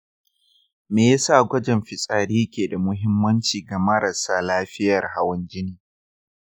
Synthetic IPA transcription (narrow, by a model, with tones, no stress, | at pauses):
meː˨ja˦saː˦˨ɡʷɐ˦d͡ʒɛ˨mɸɪ˨sʼaː˨ɽiː˦kʲeː˨da˨mʊ˦ɦɪ˦mːɐ˦nt͡ʃiː˨ɡa˨mɐ˦ɾɐ˨saː˦laː˦ɸɪ˦jɐ˨rha˦wɐ˦nd͡ʒɪ˦niː˨